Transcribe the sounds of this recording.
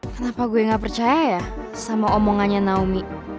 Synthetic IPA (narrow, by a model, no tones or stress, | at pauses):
kənapaɡuɛŋaʔpərt͡ʃajaja | samaɔmɔŋaɲanaumi